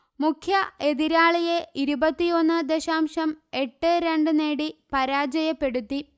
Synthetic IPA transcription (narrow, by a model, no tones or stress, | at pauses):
mukʰjɐe̞ðiɾaːɭijeʔiɾubɐt̪ːijo̞nːɨd̪eɕaːmʂɐme̞ʈːɨɾe̞ɳɖɨne̞ːɽipɐɾaːd͡ʑɐjɐpːe̞ɽut̪ːi